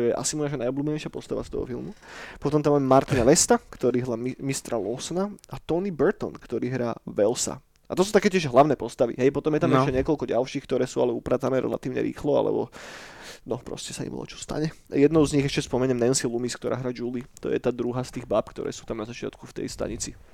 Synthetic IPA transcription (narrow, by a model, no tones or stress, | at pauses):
t̪ɔjɛʔa̰simunaʃanajɔbluːbɛɲɛʃɪapɔst̪aʋa̰st̪ɔ̰ɦɔ̰filˠmupɔt̪ɔmt̪amaːmɛmaɾt̪inalɛst̪akt̪ɔɾiːɦlammist̪ɾalɔsnaat̪ɔnibɛɾt̪ɔ̰nkt̪ɔɾiːɦɾaːʋɛlsa̰ | ʔat̪ɔsuːt̪akɛːcɪɛʒɦlaʊnɛːpɔst̪aʋḭɦɛjpɔt̪ɔmjɛt̪ammɛʃɛɲɛkɔlkɔɟalʃiːxkt̪ɔɾɛːsuːalɛupɾaːt̪t͡sanɛɾɛ̰la̰t̪iːʊɲɛ̰ɾḭːxlɔa̰lɛ̰bɔ̰ | nɔpɾɔ̰scɛsaḭmɔ̰t͡ʃɔ̥st̪a̰ɲɛjɛd̪nɔʊzɲiɣɛʃcɛspɔmɛɲɛmnɛnsilumiskt̪ɔɾʔa̰ːɦɾaːd͡ʒulit̪ɔ̰jɛ̰t̪aːd̪ɾuɦast̪iːɣbapkt̪ɔ̰ɾɛ̰ːsuːt̪amnazat͡ʃɪa̰t̪kuft̪ɛ̰jst̪a̰ɲit͡si